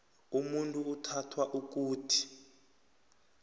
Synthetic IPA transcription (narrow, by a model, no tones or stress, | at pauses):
umuntʼuːtʰatʰwaʔuk̬uːtʰi̥